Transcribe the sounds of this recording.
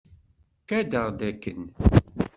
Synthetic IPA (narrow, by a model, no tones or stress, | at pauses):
kæd̪əʁd̪ækːən